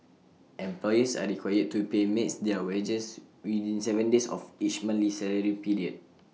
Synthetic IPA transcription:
ɛ̃mplɔjəsa̰ɹikʰwajəd̚tupemɛ̃tsdɛwed͡ʒəswidĩnsɛvə̃ndesɔ̰fit͡ʃmãnlisɛɹəɹipiɹiəd̚

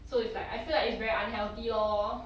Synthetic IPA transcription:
soɪtslaɪkaɪfilaɪɪtsvɛɹiãnɦɛlt̪iɔ

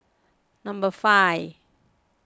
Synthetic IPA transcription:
nãmbəfaj

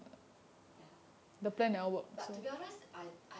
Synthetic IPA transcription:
dəplɛ̃nɛwək̚so

